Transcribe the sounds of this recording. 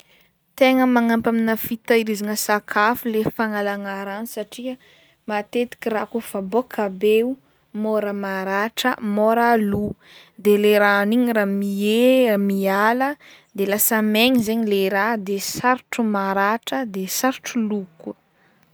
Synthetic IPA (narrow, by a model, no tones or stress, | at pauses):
t̪eŋəmaŋampaminəfit̪aiɾizanəsakʰafulefaŋalaŋaɾanisaʈ͡ʂiə | mat̪et̪i̥kʲirakufabokʰabeu | moɾəmaɾaʈ͡ʂə̰moɾalu | d̪eleɾaniɲiɾamiemialə | d̪elasəmeɲizeɲileɾad̪esaɾʈ͡ʂumaɾaʈ͡ʂəd̪esaɾuʈ͡ʂuluku